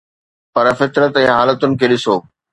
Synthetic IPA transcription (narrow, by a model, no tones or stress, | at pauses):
pɐɾfɪt̪ɾət̪ɛ̃ːɦaːlət̪ʊnɪ̆kʰeːɗɪsoː